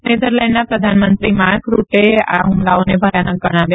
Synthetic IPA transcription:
ned̪əɾlaɪnɖnapɾəd̪ʱanmənt̪ɾimaɾkɾuʈea̰ɦʊmlaonebʱəɾjanək̚ɡəɽ̃aʋja

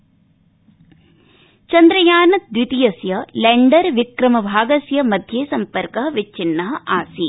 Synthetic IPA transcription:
t͡ʃɐnd̪ɾɐjaːnɐt̪̚d̪ʋit̪ijɐsjɐleɳɖɐɾʋikɾɐmɐbʱaːɡɐsjɐmɐd̪ʱjeːsɐmpɐɾkɐɦɐʋit͡ʃːinːɐɦɐʔaːsi

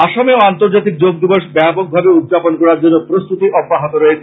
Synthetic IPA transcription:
aʃomeoant̪oɾd͡ʑat̪ik̚d͡ʑoɡ̚d̪iboʃbɛpoɡ̚bʱabeud̪̚d͡ʑaponkɔɾaɾd͡ʑonːopɾost̪ut̪iʔɔbːaɦot̪oɾɔet͡ɕʰe

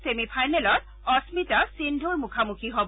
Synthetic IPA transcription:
semipʰajnɛlɔt̚ | ɔsmitasindʱuɹmukʰamukʰiɦob

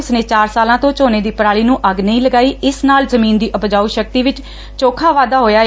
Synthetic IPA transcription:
sneːt͡ʃaːɾsaːlãːt̪õːt͡ʃoːneːd̪iːpɾaːɭiːnũːʔəɡnəĩːləɡaːiːɪsnaːlzəmĩːnd̪iːʔəpd͡ʒaːuːʃək̚t̪iːʋɪt͡ʃ | t͡ʃoːkʰaːʋaːd̪aːɦoːjaː

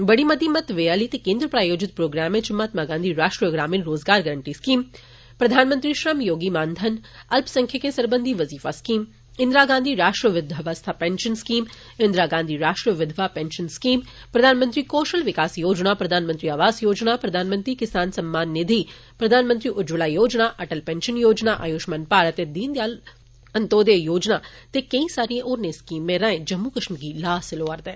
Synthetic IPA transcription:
bɐɽimɐd̪imɐt̪ʋeaːlit̪ikẽːnd̪ɾəpɾaːjoːd͡ʒɪt̪̚pɾoːɡɾaːmẽt͡ʃɪmːaːt̪maɡãːnd̪ʱiɾaːʃʈɾəɡɾaːmɪnɾoːzɡaːɾɡɐɾəɳʈiskiːm | pɾɐd̪ʱaːnmənt̪ɾiʃɾəmjoːɡimaːnd̪ʱɐnɐlpsɐ̃ŋkʰjəkẽsɐɾbənd̪ʱiʋɐziːfaskiːm | ɪnd̪ɾaɡãːnd̪ʱiɾaːʃʈɾəʋɪd̪ʱʋast̪ʰapɛ̃nʃənskiːm | ɪ̃nd̪ɾaɡãːnd̪ʱiɾaːʂʈɾəʋɪd̪ʱʋapɛ̃nʃənskiːm | pɾɐd̪ʱaːnmə̃nt̪ɾikoːʃəlʋɪkaːsjoːd͡ʒnapɾɐd̪ʱaːnmə̃nt̪ɾiaːʋaːzjoːd͡ʒnapɾɐd̪ʱaːnmə̃nt̪ɾikɪsaːnsɐmːaːnːɪd̪ʱi | pɾɐd̪ʱaːnmə̃nt̪ɾiʔʊd͡ʒʋəlaːjoːd͡ʒnaʔɐʈəlpɛ̃ːnʃənjoːd͡ʒnaʔajʊʃmənpaːɾət̪ed̪iːnd̪jaːl | ɐ̃nt̪oːd̪ejoːd͡ʒnat̪ekɐĩsaːɾiẽʔoːɾneskiːmːẽɾɐɦẽd͡ʒɐmːukɾəʃnɡilaːsɪloːaːɾt̪ẽː

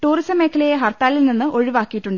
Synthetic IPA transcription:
ʈuːrisɐmːe̞ːkʰːɐlɐjeɦɐrt̪ːaːlilninːɨʔo̞ɻiʋaːkːijiʈːuɳɖɨ

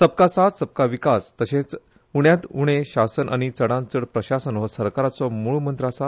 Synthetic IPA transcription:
səb̚kasat̪səb̚kaʋikast̪əɕẽt͡s | uɽ̃jãt̪uɽ̃eɕasənʔa̰ɽ̃it͡səɽãnt͡səɽpɾəɕasənʋəsəɾkaɾat͡sɔmuɭumənt̪ɾasa

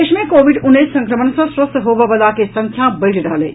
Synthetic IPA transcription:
eːʃmẽkoːʋɪɖʊnːiːsːɐ̃ŋkɾəmənsɐ̃swɐst̪ɦoːbɐʋɐlakesɐ̃ŋkʰjabɐʈiɾɐɦəlḛː

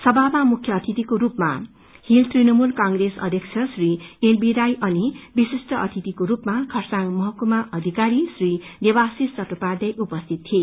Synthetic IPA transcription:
sʌbabamukʰjʌːt̪ʰit̪ikoɾupma̰ | hilt̪rinʌmulkaŋɡresʌ̰d̪ʱjʌkt͡sʰʌsrienbiɾajʔʌnibisisʈʌʌ̰t̪ʰit̪ikoɾupmakʰʌrsaŋmʌɦʌkumaʔʌd̪ʱikaɾisrinebasist͡sʌʈopad̪ʌjʔupʌst̪ʰit̪̚tʰie

